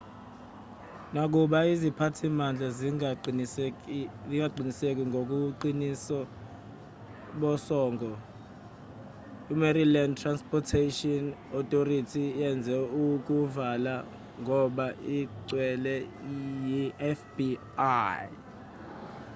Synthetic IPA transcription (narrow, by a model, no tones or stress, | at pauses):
nak̬uɓaizipʰatʰimand͡ɮʱaziŋ | ziŋ̬aɡ͡ǀʱinisek̬ʼiŋɡʱok̬uǀinisɔ | ɓɔsɔːŋɡʱɔ | umeɾilandtʰːranspɔtʰetʼiɔnɔtʼoritʰijɛnd͡zʱɛuk̬uvala | ŋɔɓaʔiǀwɛlɛjiɛfbi | aj